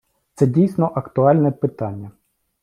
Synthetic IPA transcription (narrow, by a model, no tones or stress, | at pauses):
t̪sɛdʲijsʲnɔʔɐkt̪ʊɑlʲnɛpɪt̪ɑnʲːɐ